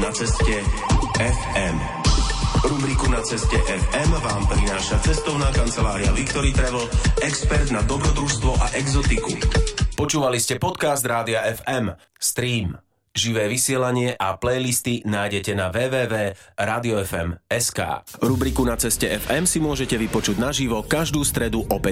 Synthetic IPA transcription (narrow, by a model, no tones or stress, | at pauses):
nat͡sɛscɛɛfɛm | ɾubɾikunat͡sɛscɛʔɛfɛmʋaːmpɾinaːʃat͡sɛst̪ɔʊnaːkant͡sɛlaːɾiaʋikt̪ɔɾiːt̪ɾɛʋl̩ɛkspɛɾd̪nad̪ɔbɾɔd̪ɾust̪ʋɔʔaʔɛɡzɔt̪ikupɔt͡ʃuːʋaliscɛpɔt̪kazd̪ɾaːd̪iaɛfɛm | st̪ɾiːm | ʒiʋɛːʋisɪɛlaɲɪɛʔaplɛjlist̪inaːjɟɛcɛnaʋɛːʋɛːʋɛːɾaːd̪iɔɛfɛ̰mɛska̰ːɾubɾikunat͡sɛscɛʔɛfɛmsimʊɔʒɛcɛʋipɔt͡ʃuɟnaʒiʋɔkaʒd̪uːst̪ɾɛd̪uʔɔpɛc